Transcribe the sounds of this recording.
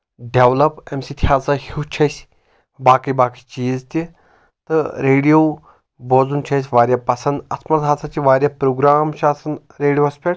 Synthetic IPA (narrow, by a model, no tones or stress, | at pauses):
ɖeʋlɐpemsit̪ʰiaːt͡sahut͡ʃʰɐjsʲ | baːkibaːkit͡ʃiːzt̪i | t̪ɨɾeːɽijoː | boːzunt͡ʃʰɐs̬ʲʋaːɾʲjaːpɐsɐnd̪ɐ̰smɐt̪ɦaːt͡sʰat͡ʃʰiʋaːɾʲjaːpɾoːɡɾaːmt͡ʃʰasɐn | ɾeːɽijoɐspʲeʈ